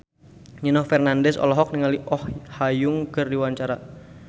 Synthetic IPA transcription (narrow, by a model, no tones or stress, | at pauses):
ɲinɔhfɛrnandɛsɔ̰lɔɦɔk̚niŋaliʔɔhhajʊŋkərdiwaɲt͡ʃaɾa